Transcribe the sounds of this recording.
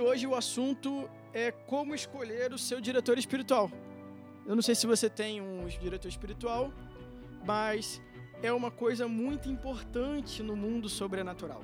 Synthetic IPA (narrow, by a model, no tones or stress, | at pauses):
oʒɪʊasũnt̪ʊ | ɛkõmʊɪskoʎeɾʊsewd͡ʒiɾet̪oɾɪspiɾit̪uaw | ewnɐ̃w̃sejsɪvoset̪ẽj̃ũd͡ʒiɾet̪oɾɪspiɾit̪uaw | mɐs | ɛũmɐkojzɐmũj̃t̪ʊĩpoɾt̪ɐ̃t͡ʃɪnʊmũnd̪ʊsobɾenat̪uɾa̰w